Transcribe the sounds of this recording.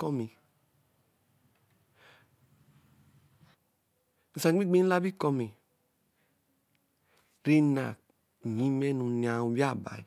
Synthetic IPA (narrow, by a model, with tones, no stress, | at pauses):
kɔ˦mi˨ | i˨sa˨˦i˦ɡ͡be˦n˦la˦bi˦kɔ˦mi˨ | ɾe˦na˨ | ɲĩ˦mɛ˦nũ˨n˨a˨u˨wi˦a˦˨ba̰˨